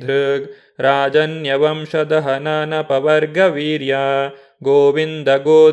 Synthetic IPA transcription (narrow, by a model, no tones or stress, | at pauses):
d̪ʱɾɨɡ | ɾaːd͡ʒɐnjɐʋɐmʃɐd̪ɐɦɐnanɐpɐʋɐɾɡɐʋiːɾjaː | ɡoːʋind̪ɐɡoː